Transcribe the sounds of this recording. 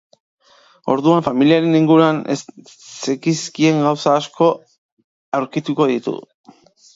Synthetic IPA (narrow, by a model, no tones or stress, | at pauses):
o̞̰ɾðuaɱfamiliaɾe̞niŋɡuɾuanḛ | t͡sekiskie̞ŋɡawsaːsko̞ | awɾkit̪uko̞ðit̪ṵ